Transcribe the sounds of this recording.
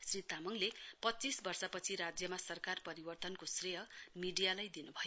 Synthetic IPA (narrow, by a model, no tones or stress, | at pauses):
srit̪amʌŋlepʌt͡sːisbʌrsʌpʌt͡sʰiɾad͡zjʌmasʌrkarpʌɾibʌrt̪ʌnkosreɦʌmiɖijalajd̪inubʱʌjo